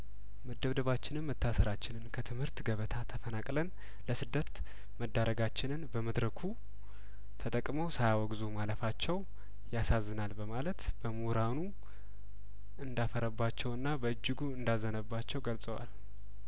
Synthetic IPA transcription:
məd̪ːəβd̪əβat͡ʃːɪnɨnmət̪ʰːasəɾat͡ʃːɪnɨnkʰət̪ʰɨmhɨɾt̪ɡəβət̪ʰat̪ʰəfənakʼlən | ləsɨd̪ːət̪ | məd̪ːaɾəɡat͡ʃːɪnɨnbəməd̪ɾəkʰu | t̪ʰət̪ʼəkʼməwsajawɔɡzumaləfat͡ʃːɛw | jasazːɨnalbəmalət̪bəmuɾanu | ɨnd̪afəɾəbːat͡ʃːɛwɨnːabəɨd͡ʒːɪɡuɨnd̪azːənəbːat͡ʃːɛwɡəlsʼəwa̰l

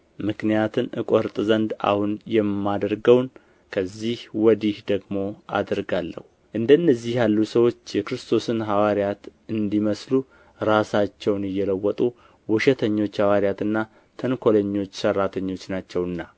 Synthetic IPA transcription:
mɨknijat̪ʰɨnʔɨkʼɔɾt̪ʼzənd̪a̰hunjɛmːad̪əɾɡəwn | kʰəzːihwɔd̪ihd̪əɡmo̞ʔa̰d̪ɾɡalːə̰hu | ʔɨnd̪əɨnːəzːihjalːusəwo̞t͡ʃːjɛkɾɨst̪ʰo̞sɨnɦawaɾjat̪ɨnd̪iməslu | ɾasat͡ʃːɛwnɨjːɛləwːɔt̪ʼu | wuʃɛt̪ʰəɲːo̞t͡ʃːhawaɾijat̪ɨnːa | t̪ʰənkʰo̞ləɲːo̞t͡ʃːsərːat̪ʰəɲːo̞t͡ʃːnat͡ʃːɛwɨnːa

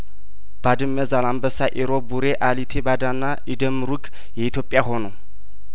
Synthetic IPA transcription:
b̥ad̪ɨmːəzalambəsaʔiɾobuɾeʔalit̪ʰebad̪anːaʔid̪əmɾuɡ | jɛit̪ʰjopʼjaɦo̞now

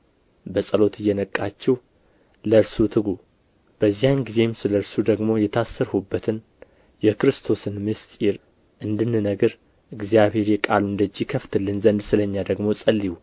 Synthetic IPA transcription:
bəsʼəlo̞t̪ʰɨjːɛnəkʼːat͡ʃːɛw | ləɾsut̪ʰɨɡu | b̥əzːijanɡize̞msɨləɾsud̪əɡmo̞jɛt̪ʰasːəɾhubːət̪ʰɨn | jɛkɨɾɨst̪ʰo̞sɨnmɨst̪ʼiɾ | ʔɨnd̪ɨnːɨnəɡəɾ | ʔɨɡzijaβhe̞ɾjɛkʼaluɨnd̪əd͡ʒːikʰəft̪ʰɨlːɨnzənd̪sɨləɲːad̪əɡmo̞sʼəlːiwu

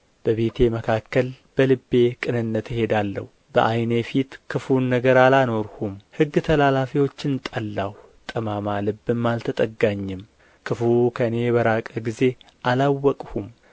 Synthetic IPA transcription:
b̥əβet̪ʰe̞məkʰakːəl | b̥əlɨbːe̞kʼɨnɨnːət̪jhe̞d̪alːə̰hubə̰ʔajnefit̪kʰɨfunːəɡəɾalano̞ɾhumhɨɡːt̪ʰəlalafiwo̞t͡ʃːɪnt̪ʼəlːah | t̪ʼəmamalɨbːɨmːalt̪ʰət̪ʼəɡːaɲːɪm | kʰɨfukʰəɨne̞bəɾakʼəɡize̞ | ʔalawːɔkʼhum

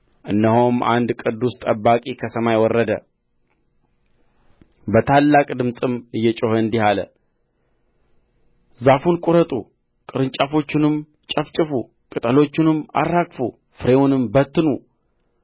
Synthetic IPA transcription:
ʔɨnːəhomʔa̰nd̪kʼɨd̪ːust̪ʼəbːakʼikʰəsəmajwɔrːəd̪ə̰ | bət̪ʰalːakʼd̪ɨmsʼɨmɨjːɛt͡ʃʼohəɨnd̪ihalə̰ | zafunkʼʊɾət̪ʼu | kʼɨɾɨnt͡ʃʼafo̞t͡ʃːɪnɨm | t͡ʃʼəft͡ʃʼɪfu | kʼɨt̪ʼəlo̞t͡ʃːɪnɨma̰rːakʼfṵ | fɨɾe̞wunɨmbət̪ːɨnu

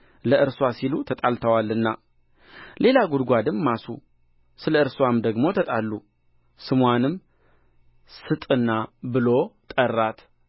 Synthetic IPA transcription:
ləʔɨɾswasilut̪ʰət̪ʼalt̪ʰəwalɨnːa̰ | lʔe̞laɡud̪ɡʷad̪ɨmːasṵ | sɨləɨɾswamd̪əɡmo̞t̪ʰət̪ʼalːu | sɨmwanɨm | sɨt̪ʼɨnːabɨlo̞t̪ʼərːat̪

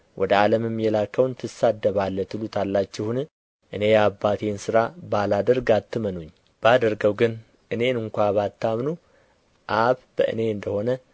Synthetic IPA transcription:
wʔɔd̪əaləmɨmːjɛlakʰːəwnt̪ʰɨsad̪ːəβalːət̪ʰɨlut̪ʰalːat͡ʃːɪhun | ʔɨne̞jabːat̪ʰe̞nsɨɾabalad̪əɾɡat̪ʰːɨmənuɲː | b̥ad̪əɾɡəwɡɨn | ʔɨne̞nɨŋkʷaβat̪ʰːamnu | ʔaβb̥ə̰ʔɨ̰ne̞ɨnd̪əho̞nə

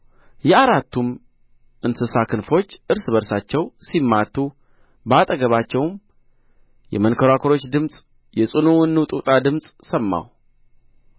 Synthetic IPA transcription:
jɛaɾat̪ːum | ʔɨnsɨsakʰɨnfo̞t͡ʃːʔɨɾsɨβəɾsat͡ʃːɛwsimːat̪ʰːu | bat̪ʼəɡəβat͡ʃːɛwm | jɛ̰mənkʰəɾakʰəɾo̞t͡ʃːd̪ɨmsʼ | jɛsʼɨnuwɨnːut̪ʼut̪ʼad̪ɨmsʼsəmːa̰w

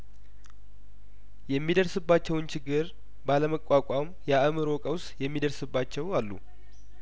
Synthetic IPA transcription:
jɛmːid̪əɾsɨbːat͡ʃːɛwnt͡ʃʰɪɡːɨɾ | baləməkʼːakʷʼam | jaʔɨmɨɾo̞kʼəwsjɛmːid̪əɾsɨbːat͡ʃːɛwalːṵ

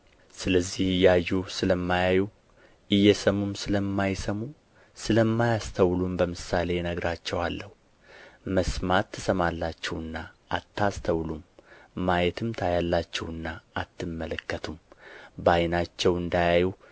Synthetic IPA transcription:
sɨləzːihɨjajːusɨləmːajaju | ʔɨjːɛsəmumsɨləmːajsəmu | sɨləmːajast̪ʰəwlumbəmɨsale̞nəɡɾʔat͡ʃːɛwalːəhu | məsmat̪ʰːɨ̥səmalːat͡ʃːɛwɨnːaʔat̪ːast̪ʰəwlumːajɛt̪ʰɨmt̪ʰajalːat͡ʃːɛwɨnːaːt̪ʰːɨmːələkːət̪ʰumbajnat͡ʃːɛwɨnd̪ajaju

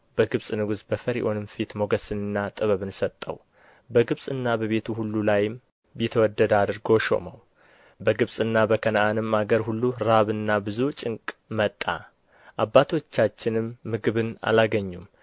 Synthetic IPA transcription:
bəɡɨβsʼnɨɡuzbəfəɾḭʔonɨmfit̪mo̞ɡəsɨnɨnːat̪ʼɨβəβɨnsət̪ʼːə̰w | bəɡɨβsʼɨnːabəβe̞t̪ʰuhulːulajɪm | bit̪ʰəwɔd̪ːəd̪ad̪ɨɾɡo̞ʃo̞̰məw | bəɡɨβsʼɨnːabəkʰənaʔanɨmːaɡəɾhulːuɾaβɨnːabɨzut͡ʃʼɪŋkʼmət̪ʼːa̰ | ʔabːat̪ʰo̞t͡ʃːat͡ʃːɪnɨmːɨɡɨβɨna̰laɡəɲːum

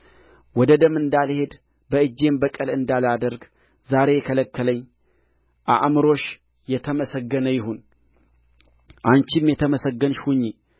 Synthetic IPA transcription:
wɔd̪əd̪əmɨnd̪alhe̞d̪ | bəɨd͡ʒːe̞mbəkʼəlɨnd̪alad̪əɾɡ | zaɾe̞jɛkʰələkːələɲː | ʔa̰ʔmɨɾo̞ʃ | jɛt̪ʰəməsəɡːənəjɪɦun | ʔant͡ʃimjɛt̪ʰəməsəɡːənʃhuɲːe

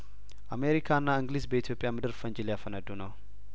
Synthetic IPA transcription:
ʔame̞ɾikʰaɨnːaɨŋɡlisbəit̪ʰjo̞pʼjamɨd̪ɨɾfəɲd͡ʒiljafənəd̪ːunəw

